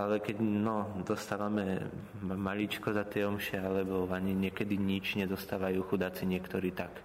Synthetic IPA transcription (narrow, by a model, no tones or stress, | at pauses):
alɛkɛɟnɔd̪ɔst̪aːʋamɛ | maʎit͡ʃkɔzat̪ɪɛɔmʃɛalɛbɔaɲiɲɪɛkɛd̪iɲit͡ʃɲɛzɔst̪aːʋajuːxud̪at͡siɲɪɛkt̪ɔɾiːt̪ak